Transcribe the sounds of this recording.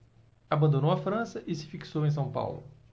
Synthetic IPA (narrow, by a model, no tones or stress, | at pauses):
abɐ̃nd̪õnowafɾɐ̃sɐʔɪsɪ̥fiksowẽj̃s̬ɐ̃w̃pa̰wlʊ̰